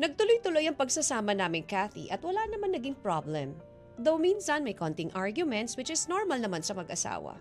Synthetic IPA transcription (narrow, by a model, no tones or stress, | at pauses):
nɐɡ̚t̪ʊlojt̪ʊlojɐŋpɐɡsɐsaːmɐnaːmɪŋkaθḭʔɐt̪wɐlanɐmanːɐɡiŋpɹablɛm | d̪owmiːnsɐnmɐjkont̪ɪŋʔaɹɡjʊmɛnt̪swɪt͡ʃɪsnoɹmɐlnɐmansɐmɐɡʔɐsa̰ːwɐ̰